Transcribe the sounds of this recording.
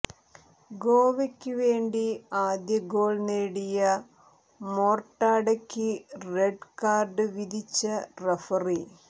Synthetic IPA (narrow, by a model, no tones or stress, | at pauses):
ɡo̞ːʋekʲːɨʋe̞ːɳɖiaːd̪jɐɡo̞ːɭneːɽijɐ | moːrʈːaːɽɐkʲːɨreɖkaːrɖɨʋid̪ʱit͡ɕːɐrefɐri